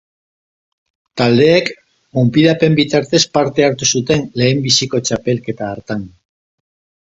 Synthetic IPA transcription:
t̪ald̪e̞ːk | umpiðape̞mbit̪aɾt̪e̞spaɾt̪e̞aɾt̪usut̪e̞nle̞ːmbisiko̞t͡ʃape̞lke̞t̪aːɾt̪an

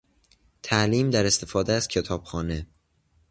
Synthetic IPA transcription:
t̪ʰæʔliːmd̪æɾe̞st̪ʰe̞fɒːd̪eæz̥cʰe̞t̪ʰɒːb̥xɒːne̞

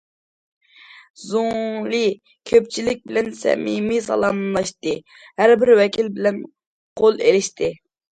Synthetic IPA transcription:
zolɨ | kʲʰøp̚t͡ʃʰilɪk̚ʲbɪlɛnsɛ̰mimisɑ̰lˠɑmlˠɑʃt̪ɨ | hæɾbɪɾwɛkʲʰilbɪlɛn | qʰolˠelɪʃt̪ʰɪ

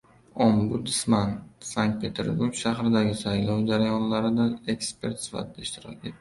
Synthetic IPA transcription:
ombud̪smansaŋk̚t̪̚pʰe̞t̪ʰe̞̰ɾbuɾɡʲʃaɦɾɪd̪aɡʲɪsajlɒwd͡ʒaɾajɒnlaɾɪd̪aekspʰe̞ɾt̪sva̰t̪d̪aiʃt̪ʰɪɾɒ̰kʲe̞̰t̪̚ːɪ

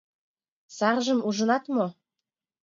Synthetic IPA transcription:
sɑrʒə̆muʒə̆nɑt̪mo

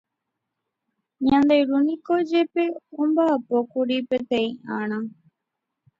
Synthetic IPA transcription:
ɲãnd̪ejɾunikod͡ʒepeumbapokuɾipet̪eiãɳ̃ã

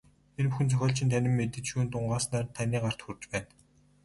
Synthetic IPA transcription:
enpuxɘ̆nt͡sʰœxʲɔːɬt͡ɕʰɪ̆nt̪ʰænʲɪ̆mːet̪ɘ̆t͡ɕʃuːnt̪ʊɴɢaːsnaːrt̪ʰːanʲiːɢar̥t̪xurt͡ɕpæːn

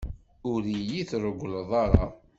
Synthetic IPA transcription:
ʊɾijiθɾˤəɡʷləðˤɑɾˤɑ

